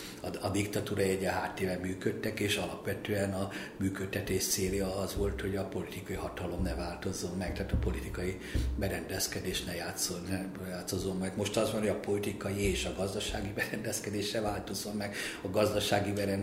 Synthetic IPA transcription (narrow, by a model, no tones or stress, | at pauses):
ɒɒd̪ikt̪ɒt̪uːɾɒjɛɟɛɦaːt̪ːeːvɛmyːkøt̪ːɛkeːʃɒlɒpʋɛt̪øːɛnɒ | myːkøt̪ːɛt̪eːʃt̪seːljɒɒzʋo̞lt̪ho̞ɟɒpo̞lit̪ikɒjihɒt̪ɒlo̞mnɛvaːlt̪o̞zːomːɛk̚t̪aːt̪ɒpo̞lit̪ikɒji | bɛɾɛnd̪ɛskɛd̪eːʃnɛjaːt̪sonɛ | jaːt̪sozomːɛɡmo̞ʃt̪ɒzbɒnhoɒpo̞lit̪ikɒjieːʃɒɡɒzd̪ɒʃaːɡibɛɾɛnd̪ɛskɛd̪eːʃnɛvaːlt̪ozomːɛɡɒɡɒzd̪ɒʃaːɡibɛɾɛn